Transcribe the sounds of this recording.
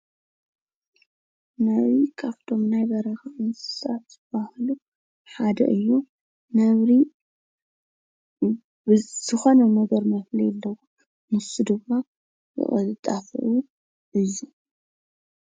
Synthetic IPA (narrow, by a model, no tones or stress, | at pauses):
nɐβzɾikʰaβt̪ʰo̞mnajbɐɾɐxɐʔʼɨnssatzɨb̥ahlu | ħad̪ɐ̰ʔɨjːu | nɐβɾi | bz̥ɨxo̞nɐnɐɡɐɾmɐflijɛlːɐwo | mɨsud̪ɨmːa | jɨ̰χʼɐt̪ʼafɨ̰ʔu | ʔɨjːu